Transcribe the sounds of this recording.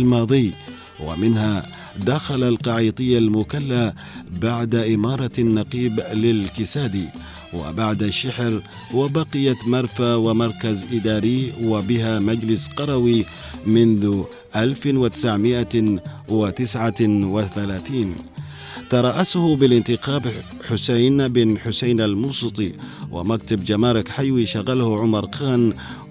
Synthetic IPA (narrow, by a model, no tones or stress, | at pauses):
lmɑːðˤɨj | wa̰mɪnha | d̪axalalqɑʕiːt̪ˤɨjːalmʊkalːa | baʕd̪aʔɪmɑːɾˤɑnːɑqiːblɪlkɪsaːd̪i | wɪ̰baʕd̪aʃːaħɾ | wabɑqɪjat̪mɑɾˤfawɪmɑɾˤkazʔɪd̪ɑːɾiwabɪɦamad͡ʒlɪsqɑɾˤɑwi | mɪnðʊ | ʔalfwɪt̪ɪ̥saʕmɪʔa | wɪt̪ɪsʕawɪθalaːθiːn | t̪ɑɾˤɑːʔashʊbɪlɪnt̪ɪqaːb | ħʊsajnbɪnħʊsajnalmuːsˤɨt̪ˤiwʔɪ̰mak̚t̪abd͡ʒamaːɾɪkħajwiʃaɣːalhʕʊmɑɾˤqʰaːn